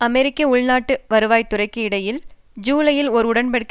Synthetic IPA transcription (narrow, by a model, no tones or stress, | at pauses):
ɐmɛɾɪkːɐʊɭnaːʈːɯʋɐɾɯʋaːjt̪ːʊrɐɪkːɯɪɽɐjɪl | d͡ʒuːlɐjɪlɔɾɯʊɽɐnpɐɽɪkː